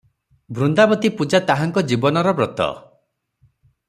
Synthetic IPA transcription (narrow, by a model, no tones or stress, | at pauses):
bɾund̪abɔt̪ipud͡ʒat̪aɦaŋkɔd͡ʒibɔnɔɾɔbɾɔt̪ɔ̰